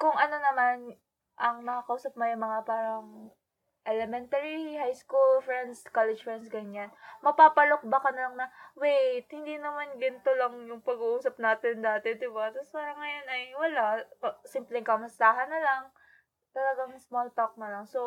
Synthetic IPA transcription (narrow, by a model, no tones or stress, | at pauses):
kʊŋʔɐno̞nɐman | ʔɐŋnɐkakɐʔuːsɐp̚mɐjʊŋmɐŋapaːɾɐŋ | ʔɛlɛmɛnt̪ɐɹihajskulfɹɛnd̪skalɛd͡ʒfɹɛnsɡɐɲanmɐpaːpɐlok̚bakɐnɐlɐŋnɐwejt̪̚hɪnd̪iːnɐmanɡɪnt̪olɐŋjʊŋpɐɡuʔuːsɐp̚naːt̪ɪnd̪aːt̪ɛd̪ɪbat̪ɐspaːɾɐŋːɐjo̞nɐjwɐlasimplɛŋkɐmɐst̪aːɦɐnːɐlaŋ | t̪ɐlɐɡaŋsmolt̪ok̚nɐlɐŋso